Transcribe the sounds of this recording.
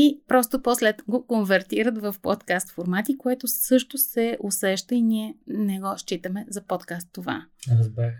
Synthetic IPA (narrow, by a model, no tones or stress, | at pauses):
ipɾɔst̪opɔslɛt̪ɡokonvɛɾt̪iɾət̪vɐfpɔ̰t̪kast̪foɾmat̪ikoɛt̪ʊsɤʃt̪osɛʔosɛʃt̪əiniɛnɛɡɔʃt͡ʃit̪əmɛzɐpɔt̪kast̪ːova̰ɾzbɛ